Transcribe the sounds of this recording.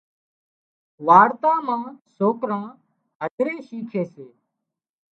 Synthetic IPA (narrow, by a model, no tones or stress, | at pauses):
ʋaːɾt̪ãːmãːsoːkɾãː | ɦəd̪ʱɾeːʃiːkʰeːseː